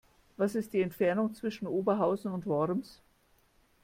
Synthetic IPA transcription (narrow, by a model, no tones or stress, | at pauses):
vasɪst̚d̥iːɛntfɛɐnʊŋt͡sv̥ɪʃn̩ʔoːbɐɦaʊzn̩ʊntvɔʁms